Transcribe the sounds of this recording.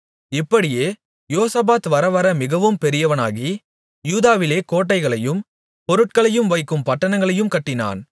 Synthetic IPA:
ɪpːɐɽɪjeː | joːsɐbaːt̪ʋɐɾɐʋɐɾɐmɪɣɐʋɯmpɛɾɪjɐʋɐna̰ːɣi | juːðaːʋɪleːkoːʈːɐɪɣɐɭɐjɯm | pɔɾɯʈ̚kɐɭɐjɯmʋɐɪkːɯmpɐʈːɐnɐŋɡɐɭɐjɯmkɐʈːɪna̰ːn

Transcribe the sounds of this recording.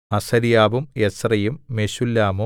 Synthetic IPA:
ɐsɐɾijaːbumesrɐjumːeɕulːaːmu

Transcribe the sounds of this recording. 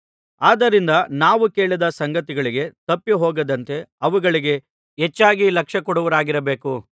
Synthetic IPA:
aːd̪ɐɾind̪ɐnaːʋuke̞ːɭid̪ɐsɐŋɡɐt̪iɡɐɭiɡe̞t̪ɐpːiɦoːɡɐd̪ɐnt̪e̞ɐʋuɡɐɭiɡe̞ | ɦet͡ʃːaːɡilɐkʂɐkɔɽuʋɐɾaːɡiɾɐbeːku

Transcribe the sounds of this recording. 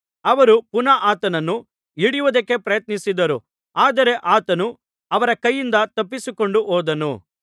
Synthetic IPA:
ɐʋɐɾupunɐʔaːt̪ɐnɐnːu | iɽijuʋud̪ɐkːe̞pɾɐjɐt̪nisid̪ɐɾu | aːd̪ɐɾe̞ʔaːt̪ɐnu | ɐʋɐɾɐkɐjːind̪ɐt̪ɐpːisiko̞ɳɖuɦoːd̪ɐnṵ

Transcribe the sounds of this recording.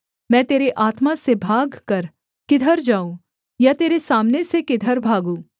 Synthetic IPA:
mɛ̃ːt̪eːɾeʔaːt̪masebʱaːɡkɐɾ | kɪd̪ʱəɾd͡ʒaːũ | jat̪eːɾesaːmnesekɪd̪ʱəɾbʱaːɡũː

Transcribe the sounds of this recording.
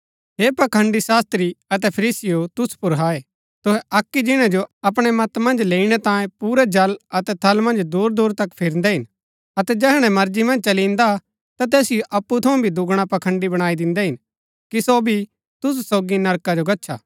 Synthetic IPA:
ɦeːpɐkʰə̃ɳɖisaːst̪ɾiɐt̪̬ɛpʰɐɾiːsɪjot̪ʊspʊɾɦaːe | t̪ʊɦɛʔɐkːid͡ʒɪɽ̃ãd͡ʒoɐp̬ɽ̃ɛmɐt̪mɐ̃nd͡ʒleːiɽ̃ɛt̪ãːjẽpuːɾɛd͡ʒɐlɐt̪ɛt̪ʰɐlmɐ̃nd͡ʒd̪uːɾd̪uːɾt̪ɐkpʰɪɾnd̪ɛɦɪn | ɐt̪ɛd͡ʒɛːɦɽ̃ɛ̃mɐɾd͡ʒimɐ̃nd͡ʒt͡ʃɐlĩnd̪a | t̪at̪̬ɛːsɪjoʔɐpːut̪ʰɐũbʱid̪ʊɡɽ̃apɐkʰə̃ɳɖibɐɽ̃aːid̪ɪ̃nd̪ɛɦɪn | kisobʱi | t̪ʊs̬soːɡinɐɾkad͡ʒoɡɐtːʃʰa̰ː

